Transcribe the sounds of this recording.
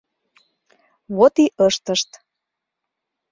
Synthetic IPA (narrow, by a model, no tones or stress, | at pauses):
βot̪iʔəʃt̪əʃt̪